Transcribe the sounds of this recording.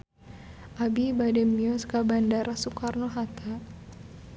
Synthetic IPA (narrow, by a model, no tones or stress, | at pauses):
ʔabibadɛmiɔskabandaɾʔasukarnoɦat̪ʰa